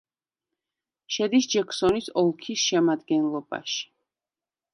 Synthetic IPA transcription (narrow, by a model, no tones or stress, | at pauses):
ʃɛd̪isd͡ʒɛksɔnisɔlˠkʰisʃɛmad̪ɡɛnlˠɔba̰ʃi̥